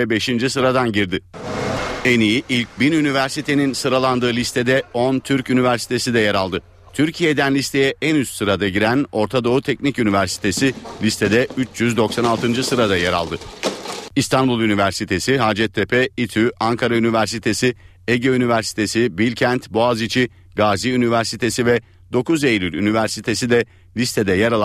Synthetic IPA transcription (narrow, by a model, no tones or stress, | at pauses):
ɛbe̞ʃind͡ʒisɯɾad̪anɟiɾd̪ɪ | e̞niiʔilʲc̚binynivæɾsit̪ʰe̞ninsɯɾalˠand̪ɯːlʲist̪ʰe̞d̪ɛo̞nt̪ʰyɾcynivæɾsi̥t̪ʰe̞sid̪ɛjaɾalˠd̪ɯ | t̪ʰyɾcʰijed̪ænlʲist̪ʰe̞jɛʔɛnyssɯɾad̪aɟiɾæno̞ɾt̪ʰad̪o̞ut̪ʰecnicynivæɾsi̥t̪ʰe̞sɪlʲist̪ʰe̞d̪ɛyt͡ʃʰjyzd̪o̞ksanalˠt̪ʰɯnd͡ʒɯsɯɾad̪ajaɾa̰lˠd̪ɯ | ist̪ʰanbulˠynivæɾsit̪ʰe̞siɦaːd͡ʒɛt̪ʰːepʰɛit̪ʰyaŋkʰaɾaynivæɾsit̪ʰe̞si | eɟøynivæɾsi̥t̪ʰe̞sibilʲcʰænt̪boazit͡ʃʰi | ɡaːziynivæɾsit̪ʰe̞sivɛ | d̪̥o̞kuzejɾʲylʲynivæɾsit̪ʰe̞sid̪ɛ | lʲist̪ʰe̞d̪ɛjaɾalˠ